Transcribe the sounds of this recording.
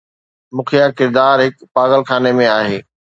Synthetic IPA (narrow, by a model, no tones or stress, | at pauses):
mʊkʰijakɪɾd̪aːɾɦɪkpaːɣəlxʰaːnemẽaːɦeː